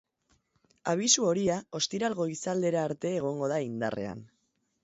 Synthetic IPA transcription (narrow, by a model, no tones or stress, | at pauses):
aβ̞isuo̞ɾiao̞st̪iɾalɣo̞isald̪e̞ɾaːɾt̪e̞ːɣ̞o̞ŋɡo̞ð̞aind̪a̰re̞̰a̰n